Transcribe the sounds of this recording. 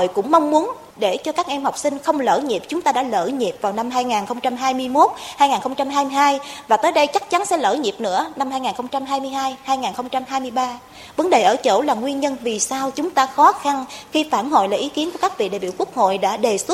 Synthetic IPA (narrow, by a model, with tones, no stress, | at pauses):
o̰˧˨jkʊ̰˧˥ŋ͡mma˧wŋ͡mmu˨˦ən | ɗe˧˩t͡ɕɔ˧kaː˦˥k̚ʔɛ˧mhwk͡p̚sï˧ŋ̟xə˧wŋ͡mlə̰ː˧˩ɲi˨˩p̚t͡ɕʊ˨˦ŋ͡mt̪aː˧ɗa̰ː˧˥lə̰ː˧˩ɲi˨˩p̚vaː˨˩wna˧mɦaː˧jŋaː˨˩nxə˧wŋ͡mt͡ɕa˧mɦaː˧jmɨ˧əjmo˦˥t̚haː˧jŋaː˨˩xə˧wŋ͡mt͡ɕa˧mɦaː˧jmɨ˧jɦaː˧jvaː˨˩t̪əː˨˦jɗə˧jt͡ɕa˦˥k̚t͡ɕa˨˦nsɛ̰˧˥lə̰ː˧˩ɲi˨˩p̚nɨ̰˧˥əna˧mhaː˧jŋaː˨˩nxə˧wŋ͡mt͡ɕa˧mɦaː˧jmɨ˧jɦaː˧jhaː˧jŋaː˨˩nxə˧wŋ͡mt͡ɕa˧mɦaː˧jmɨ˧əjɓaː˧ | və˨˦nɗe˨˩ʔəː˧˩t͡ɕo̰˧˥laː˨˩ŋwi˧ənɲə˧nvi˨˩saː˧wt͡ɕʊ˨˦ŋ͡mt̪aː˧xɔ˨˦xa˧nxi˧faː˧˩nɦo̰˧˨jlaː˨˩ʔi˨˦ki˨˦ənku˧˩kaː˦˥k̚vḭ˧˨ɗa̰ː˨jɓḭ˧˩˨wku˦˥ək̚ho̰˧˨jɗa̰ː˧˥ɗe˨˩swə˦˥